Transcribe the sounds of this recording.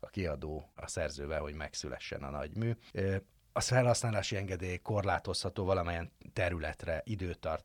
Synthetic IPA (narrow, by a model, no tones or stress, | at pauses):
ɒkiɒd̪oːɒsɛrzøːvɛɦo̞ɟmɛksylɛ̰ʃːɛ̰nɒ̰nɒ̰ɟmyː | ɒfɛlhɒsnaːlaːʃiɛŋɡɛd̪eːjko̞rlaːt̪o̞shɒt̪oːvɒlɒmɛjɛnt̪ɛɾylɛt̪rɛʔid̪øːt̪ɒrt̪